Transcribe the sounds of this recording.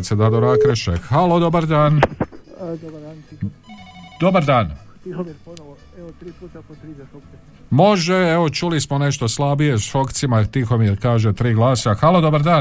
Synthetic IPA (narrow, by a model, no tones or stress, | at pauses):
t̪sed̪ad̪oɾakɾeʃḛxalod̪o̞baɾd̪aːn | d̪obd̪an | d̪̥o̞baɾd̪aːnionoo | eot̪ɾiːpuːt̪apot̪ɾiok | mo̞ʒe̞eʋo̞t͡ʃulismo̞ne̞ʃt̪o̞slˠabije̞sʃo̞kt̪simat̪ixo̞mjeɾkaːʒe̞t̪ɾiːɡlˠaːsaxalod̪o̞baɾd̪aː